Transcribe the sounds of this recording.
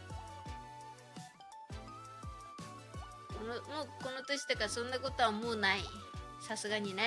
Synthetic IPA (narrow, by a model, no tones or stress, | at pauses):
nmoːkonot̪oɕi̥t̪akasõ̞nːakot̪o̞βamoːnaisasɨɡaɲ̟ina